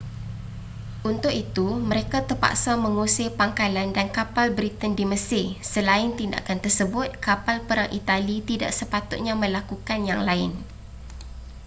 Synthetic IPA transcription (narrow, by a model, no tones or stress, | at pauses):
ʔunt̪ʊk̚it̪uməɾekat̪ərpa̰ʔksamə̃ŋusipaŋkalandankapalbɾit̪əndiməsɪsəlaɪnt̪inda̰kant̪ərsəbʊt̪̚kapalpəɾaŋʔit̪alit̪ida̰ʔ̚səpat̪ʊt̪̚ɲamə̃lakukanjaŋlaɪn